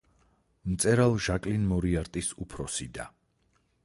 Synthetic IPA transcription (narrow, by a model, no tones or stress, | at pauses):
mt̪sʼɛɾalˠʒakʼlinmɔɾiaɾt̪ʼisupʰɾɔsid̪a